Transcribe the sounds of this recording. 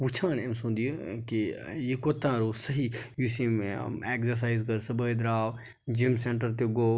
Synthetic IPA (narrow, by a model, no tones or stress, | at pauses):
ut͡ʃʰãːnemsũnd̪ijkijikoːt̪ãːɾoːsəɦijusimeksɐɾs̬aːizkəɾsɨbəid̪ɾaːʋ | d͡ʒimseɳʈəɾt̪̬eɡoː